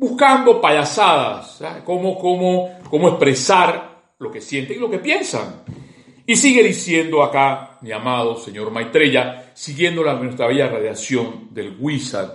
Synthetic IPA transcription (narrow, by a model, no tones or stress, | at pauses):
buskand̪o̞paʎasaða̰sakomokomoko̞moespɾe̞saɾ | lo̞ke̞sje̞nt̪eŋilo̞ke̞pje̞nsa̰ŋ | isiɣeðisje̞nd̪oakamiamaðo̞se̞ɲo̞ɾmajt̪ɾe̞ʝasiɣje̞nd̪o̞lanwest̪ɾaβeʝaraðjasjo̞nd̪e̞lɣwisa̰